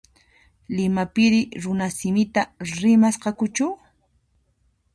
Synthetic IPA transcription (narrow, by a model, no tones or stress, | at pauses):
lɪmapɪɾɪɾʊnasɪmɪt̪aɾɪmasqɑkʊt͡ʃʊ